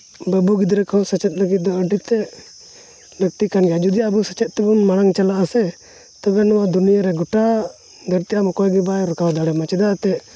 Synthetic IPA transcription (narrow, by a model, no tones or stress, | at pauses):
bəbuɡid̪ɾəkʰɔsət͡ʃɛt̪̚ləɡit̪̚d̪ɔəɖit̪ɛ | ləɡ̚t̪ikanɡɛjad͡ʒud̪ijaəbusət͡ʃɛt̪̚t̪ɛbɔnmaɽ̃aŋt͡ʃalaʔasɛ | t̪ɔɡanɔwad̪unijaɾɛɡɔʈa | d̪əɾt̪iamɔkɔɛɡɛbajɾəkawd̪aɽɛmat͡ʃɛd̪aʔt̪ɛʔ